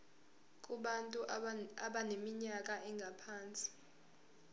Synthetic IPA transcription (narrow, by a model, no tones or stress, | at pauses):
k̬ʼuɓantʼuaɓanemiɲak̬ʼaʔɛŋɡʱapʰaːnt͡sʼi̥